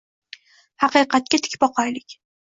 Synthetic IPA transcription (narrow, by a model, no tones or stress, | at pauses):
hɑqɨjqʰɑt̪̚kʲat̪ʰɪ̥kʲbɒqʰɒjlɪkʲ